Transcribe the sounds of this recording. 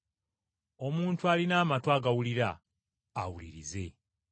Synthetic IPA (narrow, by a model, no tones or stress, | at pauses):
o̞muːntualinaːmatwaɡawuliɾa̰ː | wulḭɾize̞